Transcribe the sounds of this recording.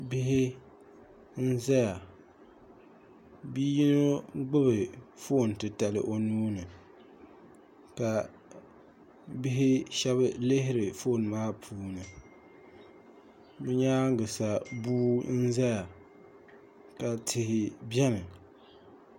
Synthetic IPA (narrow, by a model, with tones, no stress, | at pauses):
bɪ˦ɦɪ˦ | n̩˦za˦ja˨ | bi˦ji˦no˦ɡ͡bɨ˦bɨ˨fo˦˨n˨tɨ˨ta˨lɨ˨ʔo˨nuː˦nɨ˨ | ka˨ | bɪ˦ɦɪ˦ʃɛ˦βɨ˦lɪ˦ɦɪ˦ɾɨ˨fo˦˨n˨maː˦pʰuː˦nɨ˨ | bɨ˦ɲaː˦ŋ˦ɡɨ˨sa˨buː˦n̩˦za˦ja˨ | ka˨tʰɪ˨hɪ˨bjɛ˦nɨ˨